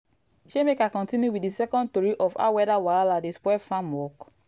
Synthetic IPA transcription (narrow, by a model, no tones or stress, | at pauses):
ʃemekakɔ̃ntĩnjuwidisɛkɔ̃ndtɔɹiʔɔfa̰wɛdawaladispwɛfãmɔk